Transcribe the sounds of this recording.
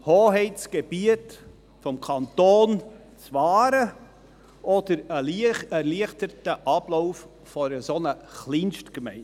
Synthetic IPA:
hoːɦɛɪt͡sɡ̥eb̥iət | fɔmkʰɑntoːn | t͡svɑːɾə | ʔɔd̥əɾəɛɾliəχtəɾtəʔɑb̥lɔʊfː | ɔɾəsonəχlinʃtkmɛ̰ɪn

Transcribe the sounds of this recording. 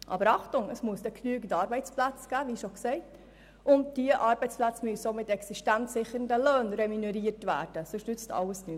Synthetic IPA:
ʔɑ̰ːbəɾɑχtʊŋəsmuəsd̥ɛknyːɡən̩tɑːɾbɛɪt͡splæt͡sɡ̥æːʋiːʃoksɛɪt | ʊnt̚d̥iəʔɑːɾbɛɪt͡splæt͡smyəsomɪtɛksiʃtænsɪχəɾəndəløːnɾɛminɛɾiəɾtvæ̰ːɾd̥əsʊʃnʏt͡stʰɑ̰ləsny

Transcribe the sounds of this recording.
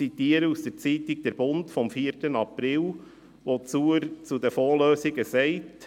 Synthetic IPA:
it̪iːəɾəusd̥̪ɛɾt͡siːt̪ɪk̚d̪̥ɛɾb̥ʊntfɔmfiːətənɑpɾɪl | ʋot͡suːəɾt͡sud̪əfoːɾløːsɪɡəsɛɪt

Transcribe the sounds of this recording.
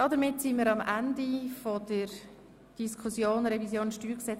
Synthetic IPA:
d̥ɑdəɾmɪtsimiːɾɑmʔandifod̥əɾ | d̥iskʰusjoːnɾɛvisjoːnʃtyːɾksɛt͡s

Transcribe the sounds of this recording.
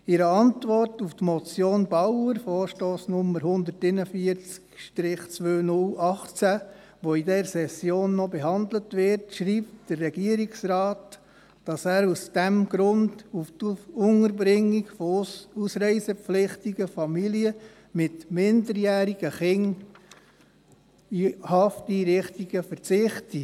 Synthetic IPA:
ɪɾəɑntʋɔrtuftmɔt͡sjoːnbɑwəɾfɔːɾʃtoːsnʊməɾhʊnd̪əɾtɪnəfiəɾt͡skʃtɾɪχt͡sʋøːnʊlʔɑχt͡sæ | ʋoidɛɾsɛsjoːnːɔbeɦɑndlətʋɪɾtʃɾiːp̚td̥ərːɛɡ̥iəɾiksrɑːt | d̥ɑsæːɾusd̥ɛmɡ̥ɾʊnduftʊŋəɾbɾɪŋːiɡfɔusɾɛɪsəpflɪχtiɡ̥əfɑmiliə | mɪtmɪndəɾjæːɾiɡ̥əχɪŋ | ihɑftiɾɪχtiɡ̥əfəɾt͡sɪχti

